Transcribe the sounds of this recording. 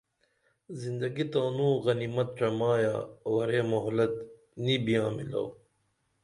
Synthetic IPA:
zind̪ɐɡit̪aːnũːɣɐnimɐt̪̚ʈ͡ʂɐmaːja̰ːwɐɾeːmoɦlɐt̪ | nibijãːmilɐ̰w

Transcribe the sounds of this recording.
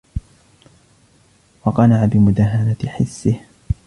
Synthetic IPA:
wɑqɑnaʕabɪmʊd̪aɦanat̪ɪħɪsːɪh

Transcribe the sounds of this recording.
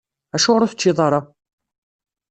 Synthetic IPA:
æʃʊʁɾuθə̥t͡ʃːiðˤɑɾˤɑ

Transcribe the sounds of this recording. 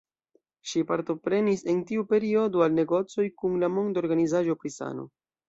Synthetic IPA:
ʃipaɾto̞pɾe̞nise̞ntiupe̞ɾio̞doalne̞ɡo̞t͡so̞jkunlamo̞ndo̞ɾɡanizaʒo̞pɾisa̰no̞̰

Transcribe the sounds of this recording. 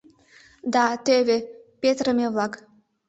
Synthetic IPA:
d̪ɑt̪øβepet̪ɾə̆meβlɑk

